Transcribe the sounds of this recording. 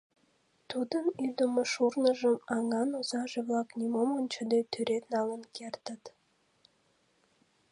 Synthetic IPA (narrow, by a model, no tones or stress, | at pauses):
t̪ud̪ənyd̪əməʃurnəʒəmɑŋɑnozɑʒəβlɑknʲimomonʲt͡ɕəd̪et̪ʰyɾet̪nɑlənkert̪ət̪